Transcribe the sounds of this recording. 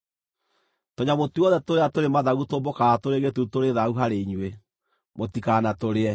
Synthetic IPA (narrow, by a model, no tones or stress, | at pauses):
toɲamotuɔðɛtoɾeatoɾemaðaɣutombokatoɾeɣetutoɾeðauɦaɾeiɲwe | motikanatoɾeɛ